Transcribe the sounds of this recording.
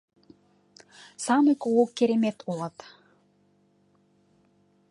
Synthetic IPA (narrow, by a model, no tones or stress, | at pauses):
sɑmekolokːeɾemet̪ʰolˠɑt̪